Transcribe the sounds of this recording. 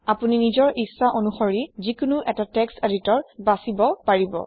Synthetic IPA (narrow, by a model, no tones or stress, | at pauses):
apuninizɔɹʔisːaʔonuxɔɹizikʊnuʔɛtatɛksteditɔɹbasibɔpaɹibɔ̰